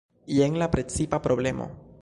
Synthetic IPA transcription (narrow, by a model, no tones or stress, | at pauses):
ieŋlapɾet͡sipapɾoble̞mʔo̰